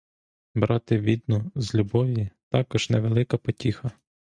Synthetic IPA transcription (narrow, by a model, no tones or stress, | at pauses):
bɾɑt̪ɪʋʲid̪nɔzlʲubɔʋʲit̪ɑkɔʒ̥nɛʋelˠɪkɐpɔtʲixɐ